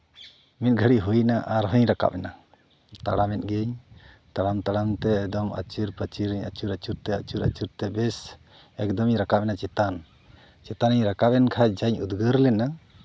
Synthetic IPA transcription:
mit̪̚ɡʱəɽiɦujnaʔaɾɦɔɲɾaka̰pɛna | t̪a̰ɽamɛt̪̚ˀɡɛɲ | t̪aɽamt̪aɽamt̪ɛːd̪ɔma̰t͡ʃiɾpət͡ʃiɾɛɲa̰t͡ʃuɾa̰t͡ʃuɾt̪ɛa̰t͡ʃuɾa̰t͡ʃuɾt̪ɛbɛs | ɛk̚d̪ɔmiɲɾakapɛnat͡ʃɛt̪an | t͡ʃɛt̪aniɲɾakapɛnkʰad͡ʒaɲud̪ɡəɾlɛna

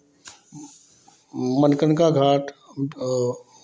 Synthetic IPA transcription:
mənkənkaɡʱaːʈ

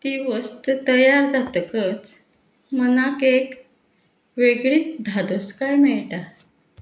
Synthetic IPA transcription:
t̪iʋəst̪ət̪əjaɾd͡zat̪əkət͡s | mənakek | ʋeɡɭiːt̪̚d̪ʱad̪oskajmɛɭʈa

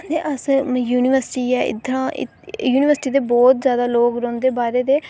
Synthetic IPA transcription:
deːʔəsjuːnɪʋəɾsʈiːɛːʔɪ̰d̪ɾãːɪ̰ | juːnɪʋəɾsʈiːd̪eːbɔːt̪zjaːd̪aːloːkɾõːnd̪eːbaːɾeːd̪eː

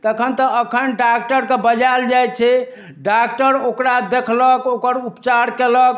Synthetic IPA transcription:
t̪əkʰənt̪ɔəkʰənɖak̚ʈəɾkebəd͡ʒald͡ʒajt͡ʃʰɛ | ɖak̚ʈəɾokɾad̪ekʰləkokəɾupt͡ʃaɾkelək

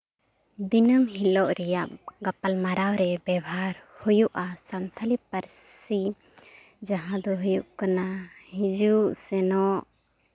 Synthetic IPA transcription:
d̪inəmɦilɔʔɾɛjap̚ɡapalmaɾawɾɛbɛbaɾhujuʔasant̪ʰalipaɾssi | d͡ʒaɦãd̪ɔɦujuʔkanahĩd͡ʒuʔsɛnɔʔ

